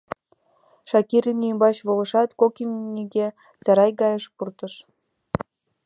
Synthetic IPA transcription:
ʃɑkiɾimimbɑt͡ɕβolə̆ʃɑt̪kokimnʲiɡʲe | t͡sɑɾɑjɡɑjəʃpurt̪əʃ

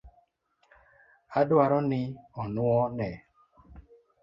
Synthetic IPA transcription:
adwaɾɔnɪɔnʊɔnɛ

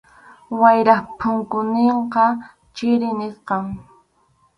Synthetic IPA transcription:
wajɾaχpʰʊŋkʊneɴqɑ | t͡ʃɪɾɪneɾqɑŋ

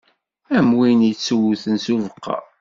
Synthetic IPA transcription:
æmwinit͡sːuwuθənsuvəqːɑ̰

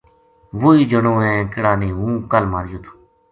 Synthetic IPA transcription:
ʋoːiːd͡ʒəɳõːɛ̃ːkɪɽaːneːɦũːkəlmaːɾjuːt̪ʰu̥

